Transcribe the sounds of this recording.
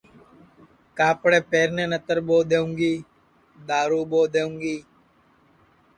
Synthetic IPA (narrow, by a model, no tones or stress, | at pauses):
kaːpɽeːpeːɾneːnət̪əɾboːd̪eːũːŋɡiː | d̪aːɾuːboːd̪eːũːŋɡiː